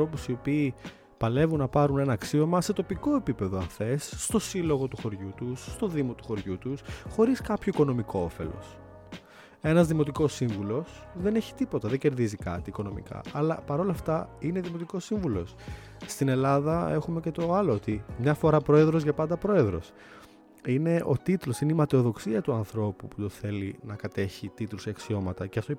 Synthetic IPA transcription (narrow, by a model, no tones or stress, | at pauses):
ɾo̞pusio̞piː | pɐle̞vunɐpɐɾune̞nɐːksio̞mɐse̞t̪o̞piko̞e̞pipe̞ðoɐθe̞sːt̪o̞silo̞ɣo̞t̪uxo̞ɾʝut̪usːt̪o̞ðimo̞t̪u̥xo̞ɾʝut̪usxo̞ɾiskɐpçoiko̞no̞miko̞ofe̞̰lo̞̰s | e̞nɐzðimo̞t̪iko̞siɱvulo̞s | ðe̞neçi̥t̪ipo̞t̪ɐðe̞ɲɟe̞ɾðizikɐ̰t̪iːko̞no̞mḭkɐ̰ɐlɐpɐɾo̞lɐft̪ɐineðimo̞t̪iko̞siɱvulo̞s | st̪ine̞lɐðɐe̞xumece̞t̪o̞ɐloot̪imɲɐfo̞ɾɐpɾo̞e̞ðɾozʝɐpɐnd̪ɐpɾo̞e̞ðɾo̞̰s | ine̞ʔo̞t̪it̪lo̞sineimɐt̪eo̞ðo̞ksiɐt̪uɐnθɾo̞puput̪oθe̞linɐkɐt̪e̞çit̪it̪luseɐksio̞mɐt̪ɐceɐft̪o